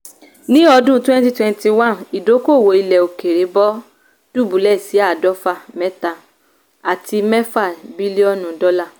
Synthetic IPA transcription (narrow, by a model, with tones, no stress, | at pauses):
nĩ˦ɔ˧dũ˦twɛ̃˦n˦ti˦twɛ̃˧n˦ti˧wã˦˨ni˨do˨˦ko˦˨wo˨i˧lɛ˨o˨ke˨ɾe˨˦bɔ˦ | d̥u˦˨bu˨˦lɛ˦˨si˨˦a˦˨dɔ˦fa˦˨mɛ̃˦ta˧ | a˨ti˧mɛ˦fa˦˨bi˦li˦ɔ˦nũ˨˦dɔ˦la˦˨